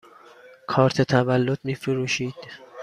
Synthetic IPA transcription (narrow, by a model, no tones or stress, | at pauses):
kʰɒːɾt̪ʰet̪ʰævælːod̪̥miːfeɾuːʃiːd̪̥